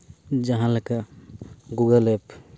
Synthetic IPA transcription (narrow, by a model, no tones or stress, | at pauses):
d͡ʒəɦãləka | ɡuɡəlep